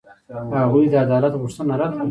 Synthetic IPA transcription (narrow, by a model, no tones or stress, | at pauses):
haɣujd̪əad̪ɑlat̪ɣʊʂt̪ənaɾat̪